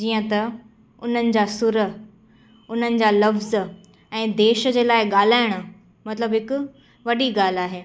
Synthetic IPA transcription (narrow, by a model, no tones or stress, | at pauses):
d͡ʑiːə̃t̪ɐ | ʊn̤ənɪ̆d͡ʑaːsʊɾə | ʊn̤ənɪ̆d͡ʑaːlɐfz | ɛ̃ːd̪eːʃəd͡ʑeːlaːɪɠaːl̤aːɪɽ̃ʊ̆ | mɐt̪ləbɦɪkʊ̆ | ʋɐɗiɠaːl̤aːɦeː